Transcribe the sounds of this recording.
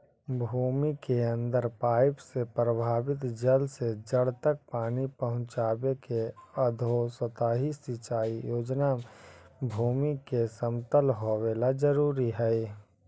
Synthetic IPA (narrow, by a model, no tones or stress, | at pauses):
bʱuːmikeə̃nd̪əɾpaːɪpsepɾəbʱaːbɪt̪d͡ʒəlsed͡ʒəɽt̪ək̚paːnipəɦʊ̃t͡ʃaːbekeəd̪ʱosət̪aːɦisɪt͡ʃaːijoːd͡ʒna | bʱuːmikesəmt̪əlɦoweːlad͡ʒəɾuːɾiɦɛj